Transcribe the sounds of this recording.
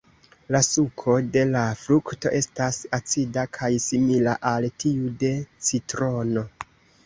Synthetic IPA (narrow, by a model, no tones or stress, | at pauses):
lasukʰo̞de̞lafɾukto̞̰ʔe̞stasat͡sidakʰajsimilaʔaltiude̞t͡sitɾo̞no̞